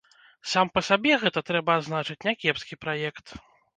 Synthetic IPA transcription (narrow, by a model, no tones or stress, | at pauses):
sampɐsʲabʲɛɣɛt̪ɐt̪ɾɛbɐːd̪znat͡ʂɨt͡sʲnʲɐkʲɛpskʲipɾajɛkt̪